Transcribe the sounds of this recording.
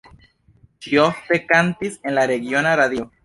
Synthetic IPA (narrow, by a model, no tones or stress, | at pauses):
t͡ʃioht̪ekant̪isenlaɾeɣjonaɾaðio